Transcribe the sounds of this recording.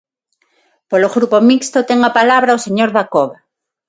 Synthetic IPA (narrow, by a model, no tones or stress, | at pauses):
poloɣɾupomikst̪ot̪eŋapalaβɾaoseɲoɾðakoβa